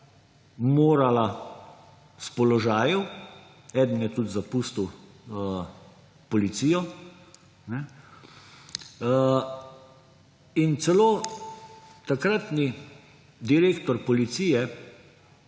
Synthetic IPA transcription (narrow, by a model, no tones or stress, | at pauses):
moːɾala | spɔlɔʒaːjɛw | ɛːd̪n̩jɛt̪ud̪zapuːst̪iw | pɔlit̪siːjɔ | nɛ | int̪sɛloː | t̪akɾat̪ni | d̪iɾeːkt̪ɔɾpɔlit̪siːjɛ